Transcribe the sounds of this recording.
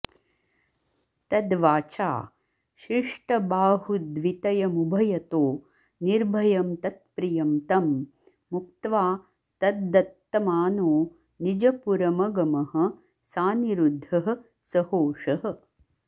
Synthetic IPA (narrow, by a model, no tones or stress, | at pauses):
t̪ɐd̪ʋaːt͡ʃa̰ː | ʃiʂʈɐbaːɦud̪ʋit̪ɐjɐmubʱɐjɐt̪oː | niɾbʱɐjɐmt̪ɐt̪̚pɾijɐmt̪ɐmː | uk̚t̪ʋaː | t̪ɐd̪ːɐt̪ːɐmaːnoː | nid͡ʒɐpuɾɐmɐɡɐmɐɦɐ̆ | saːniɾud̪ʱːɐɦɐ̆ | sɐhoːʂɐɦɐ̆